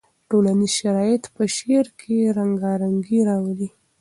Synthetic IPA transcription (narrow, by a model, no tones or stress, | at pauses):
ʈolanizʃaɾɑjɪt̪pəʃeɾkʰeɾaŋɡɑɾaŋɡiɾɑwali